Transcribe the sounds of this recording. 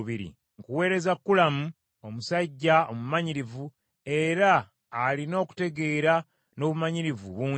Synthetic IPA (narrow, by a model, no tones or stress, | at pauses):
βiɾḭ | ŋkuwe̞ːɾe̞zakːulamu | o̞musaɟːaomumaɲiɾivu | e̞ɾaː | lino̞ːku̥te̞ɡe̞ːɾa | no̞βumaɲiɾivṵβuː